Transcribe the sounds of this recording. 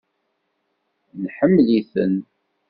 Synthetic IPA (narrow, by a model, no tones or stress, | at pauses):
nħəmːliθə̰n